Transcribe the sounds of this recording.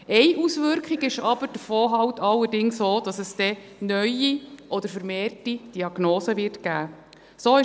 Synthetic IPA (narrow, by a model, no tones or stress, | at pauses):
ɛjʔusʋʏɾkχiɡɪʃɑb̥əɾd̥əfoːɦɑwtɑlːəɾdɪŋsoːd̥ɑsəsd̥ɛnœʏiʔɔd̥̪əɾfəɾmeːrtid̥iɑɡ̥noːsəvɪrtɡæː | soːɪ